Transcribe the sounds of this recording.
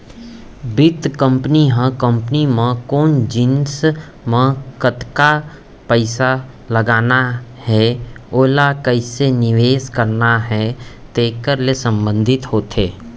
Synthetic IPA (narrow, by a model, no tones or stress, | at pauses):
bɪt̪kə̃mpniɦə̃kə̃mpənimə̃koːnd͡ʒɪns | mə̃kət̪ka | pəɪsa | ləɡaːnahɛoːlakəɪsenɪʋeːskəɾnaɦɛt̪eːkəɾlesə̃mbə̃nd̪ʱɪt̪ɦoːt̪ʰeː